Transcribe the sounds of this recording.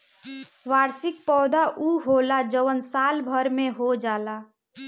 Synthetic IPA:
ʋaːɾsɪk̚pɔːd̪aʔuɦoːlad͡ʒəʋənsaːlbʱəɾmẽɦod͡ʒaːlaː

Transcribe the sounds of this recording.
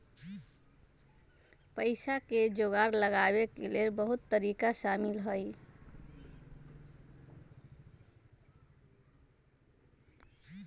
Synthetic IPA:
pəɪsaked͡ʒoɡaɾləɡabekelelbəɦut̪ːəɾikasamilɦəj

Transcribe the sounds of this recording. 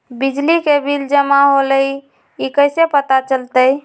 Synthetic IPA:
bid͡ʒlikebʱild͡ʒəmaɦoləj | ikəɪsepət̪at͡ʃəlt̪əj

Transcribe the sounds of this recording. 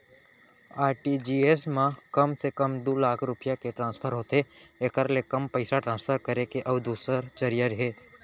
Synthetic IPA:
aːɾʈid͡ʒiːes̬mãkɐmsekəmd̪oːlaːkʰɾʊpɪjakeʈɾãːnspʰəɾɦoːt̪eekəɾlekɐmpəɪsaʈɾãːnspʰəɾkəɾekeʔɐbd̪uːsəɾt͡ʃɐɾijaɾɦeː

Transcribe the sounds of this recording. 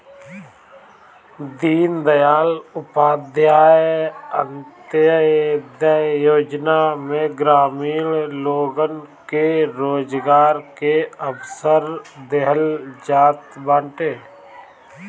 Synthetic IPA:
d̪iːnd̪əjaːlʊpaːd̪jaːjənt̪jəd̪ajoːd͡ʒnamẽɡɾaːmiːlloːɡənkeɾoːd͡ʒɡaːɾkeəbsəɾd̪eɦəld͡ʒaːt̪bãːɳʈeː

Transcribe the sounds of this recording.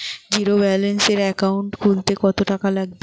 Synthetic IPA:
d͡ʑiɾobɛolenseɾɛkawɳʈkʰunt̪ekɔt̪oʈakalaɡbe

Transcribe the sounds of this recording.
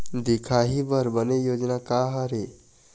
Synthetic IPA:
d̪ikʰaɦibəɾbənejod͡ʒnakaɦəɾe

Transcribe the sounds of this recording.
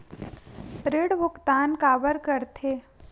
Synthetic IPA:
pɾeɽʋʊkt̪aːnkaːbəɾkɐɾt̪ʰeː

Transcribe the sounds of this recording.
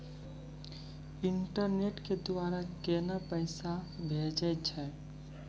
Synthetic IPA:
ɪɳʈəɾneʈked̪ʊwaːɾakɛnapəɪsabʱeːd͡ʒət͡ʃʰɛː

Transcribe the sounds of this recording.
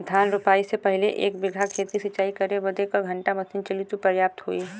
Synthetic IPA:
d̪ʱjaːnɾʊpaːisepɐɦɪleʔeːkbɪɡʱakʰeːt̪isɐt͡ʃaːikɐɾeʋɐd̪ekaɡʱɐ̃ɳʈamɐsint͡ʃəlit̪upəɾjaːp̚t̪ɦo̰ːiː

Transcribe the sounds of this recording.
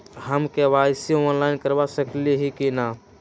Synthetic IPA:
ɦəmkeʋajsiɔːnlaːɪnkəɾʋasəkliɦikina

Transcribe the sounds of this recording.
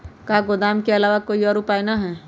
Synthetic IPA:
kaːɡod̪aːmkeɐlaːʋakoːiɔːɾupaːjnaɦɛː

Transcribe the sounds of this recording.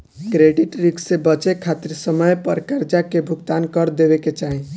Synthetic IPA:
kɾeɖiʈɾiksebət͡ʃekʰːat̪iɾsəməjpəɾkəɾd͡ʒakebʱuɡt̪ankəɾd̪ebeket͡ʃaɦĩ

